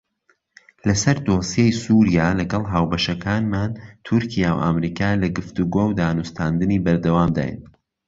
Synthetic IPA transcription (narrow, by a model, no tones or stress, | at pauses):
lɐsɐɾd̪oːsijejsuːɾijaːlɐɡɐlˠɦaːwbɐʃɐkʰaːnmaːnt̪ʰʊɾkʰijawʔa̰mɾiːkʰaːlɐɡɨft̪uɡoːwd̪aːnust̪aːnd̪ɨniːbɐɾd̪ɐwaːmd̪a̰ːjɨ̰n